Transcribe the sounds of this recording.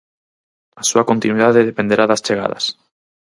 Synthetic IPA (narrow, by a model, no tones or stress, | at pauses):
asuako̞nt̪inwiðaðeðepend̪e̞ɾaðast͡ʃeɣa̰ð̞a̰s